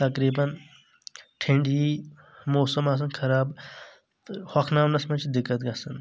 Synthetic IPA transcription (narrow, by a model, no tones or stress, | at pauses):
t̪ɐkɾiːbɐn | ʈʰĩɳɖiː | moːsɐmaːs̬ɐnkʰɐɾaːb | t̪hɐkʰnaːmnɐsmɐt͡ʃʰd̪ɪkːɐt̪ɡɐsɐn